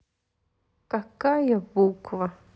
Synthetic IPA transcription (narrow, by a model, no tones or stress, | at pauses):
kakajabukva